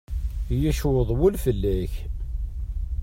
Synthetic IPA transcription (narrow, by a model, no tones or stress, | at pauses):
jæʃwəðˤwʊlfəlːæç